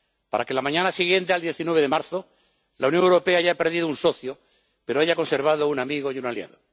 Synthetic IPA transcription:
pa̰ɾake̞lamãɲãnasiɣje̞nt̪̬eald̪jeθinweβeðemaɾθo̞ | lʔaunjõŋewɾo̞pe̞aaʝape̞ɾðiðounso̞θjo | pe̞ɾoaʝako̞nse̞ɾβ̞að̞ounamiɣo̞junalja̰ðo

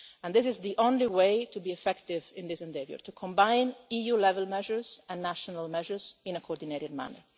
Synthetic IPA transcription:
ɛ̃nd̪ɪsɪzd̪iʔõnliwejt̪ubiɛfɛkt̪ɪvɪ̃nd̪ɪsɛ̃nd̪evjə̰ɹt̪ukʰɔ̃mbãjnijulɛvɛlmɛʒəɹzɛ̃nːaʃɔnalmɛʒəɹzɪ̃nəkʰoɔɾd̪ineɾɪd̪̚ma̰nə̰ɹ

